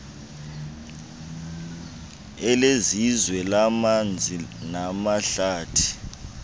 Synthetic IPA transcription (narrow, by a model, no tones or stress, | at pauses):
ɛlezizwɛlamand͡zʱinamaɬaːtʰi̥